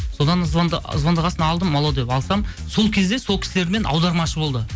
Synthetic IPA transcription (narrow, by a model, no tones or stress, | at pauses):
so̞d̪ɑnəzbɑnd̪əə̰zbɑnd̪əʁɑsənɑːlˠd̪əmːɑlˠɑwd̪e̞pɑlˠsɑmso̞lˠkʲʰe̞zd̪e̞so̞lˠkʲɪ̥sɪle̞ɾme̞nʔɑ̰wd̪ɑɾmɑʃəbo̞lˠd̪ə